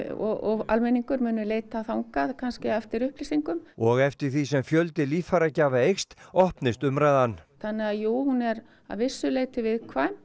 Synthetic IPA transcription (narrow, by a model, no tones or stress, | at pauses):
ɔ̰ɔɣa̰lmɛniŋkʏɾmʏːnʏleːjt̪aθawŋkaðkʰanscɪɛft̪ɪɾʏhplisiŋkʏmɔɣɛft̪ɪɾ̥θisɛmfjœlt̪ɪliːffaɾacaːvaejxst̪ɔhpnɪst̪ʏmɾajðanːθanːɪaðjuːwhunɛɾ | a̰ðvɪsːʏlejt̪ʏvɪðkʰvaːm